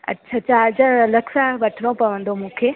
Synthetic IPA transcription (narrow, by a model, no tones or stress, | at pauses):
ɐ̰tːʃʰat͡ɕad͡ʑaləksaʋəʈʰɽ̃opɐʋə̃nd̪omũːkʰeː